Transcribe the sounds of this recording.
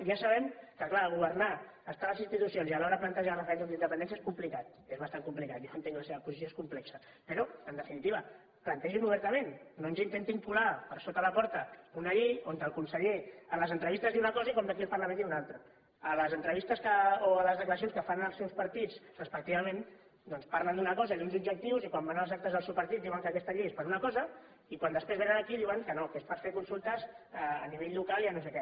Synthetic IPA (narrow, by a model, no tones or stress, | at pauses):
ʒasəβ̞ɛmkəklaːɣuβ̞əɾnaː | st̪aləzinst̪it̪usionzialɔɾəðəplant̪əʒarəfɾɛnzond̪inəpənd̪ɛns̬ieskumplikat̪̚ | ezβɐst̪aŋkumplikat̪̚joənt̪eŋklaseβəpuzisjoeskumplɛksə | pəɾɔənd̪əfinit̪iβə | plənt̪ɛʒimuβɛɾt̪əmenːonzint̪ent̪iŋpulapəɾsot̪ələpɔɾt̪əunaʎiont̪əlˠkunsəʎeələzənt̪ɾəβist̪əzðiunɐkɔzaikɔmd̪əkiəlˠpɐrləmẽniunalˠt̪ɾɐ | ələzənt̪ɾəβist̪əskəoaləzðəkləɾɐsjonskəfanəlˠsɛwspɐɾt̪id͡zrəspək̚t̪iβɐmẽn | d̪ɔnspaɾlənd̪unɐkɔzaiðunzubd͡ʒək̚t̪iwzikwambanalˠzak̚t̪əzðəlsewpɐɾt̪it̪̚d̪iwəŋkəkɛst̪əʎejespəɾunɐkɔzɐ | ikwand̪əspɾezβɛnənəkiðiwəŋkənokespəɾfeɾkunsulˠt̪əzɛəniβeʎlukaliənos̬ekɛ